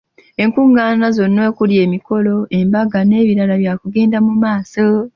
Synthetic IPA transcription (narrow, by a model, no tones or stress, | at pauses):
e̞ŋkuːŋɡaːnazo̞nːwe̞ːkulje̞ːmiko̞lo̞ʔe̞mbaɡane̞ːβiɾalaβjaːkuɡe̞ːndamumaːso